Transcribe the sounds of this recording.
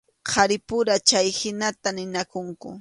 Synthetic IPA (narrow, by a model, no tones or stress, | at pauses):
qʰaɾɪpʊɾat͡ʃajhɪnat̪anɪnakʊŋkʊ̰